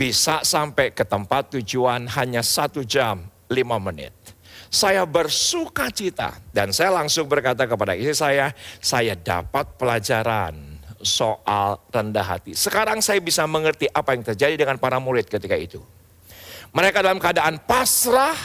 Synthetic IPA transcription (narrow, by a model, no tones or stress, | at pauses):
bisasampajkət̪əmpat̪ːud͡ʒuanɦaɲasat̪ud͡ʒam | limamənɪ̰t̪̚sajabərsukat͡ʃit̪a̰dansajalaŋsʊŋbərkat̪̬akəpadaisisajasajada̰pat̪̚pəlad͡ʒaɾa̰nsoʔalrəndaɦa̰t̪isəkaɾaŋsajabisaməŋərt̪iʔapajaŋt̪ərd͡ʒadidəŋanpaɾamuɾɪt̪̚kət̪ikaḭt̪u | məɾekadalamkəadaʔanpasɾah